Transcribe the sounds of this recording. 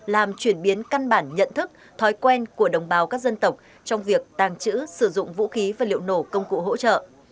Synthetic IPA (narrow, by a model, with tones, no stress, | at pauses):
laː˨˩mt͡ɕwi˧˩ənɓi˨˦ənka˧nɓaː˧˩nɲə̰˧˨nt̪ʰɨ˦˥k̚ | t̪ʰɔ˨˦jkwɛ˧nku˧˩əɗə˨˩wŋ͡mɓaː˨˦wkaː˦˥k̚zə˧nt̪ə˨˩wk͡p̚ | t͡ɕɔ˧wŋ͡mvi˨˩ək̚t̪aː˨˩ŋt͡ɕɨ̰˧˥sɨ˧˩zʊ̰˧˨ŋ͡mvṵ˧˥xi˨˦vaː˨˩lḭ˧˨əwno˧˩kə˧wŋ͡mkṵ˧˨ɦo̰˧˥t͡ɕə̰ː˧˨ʔ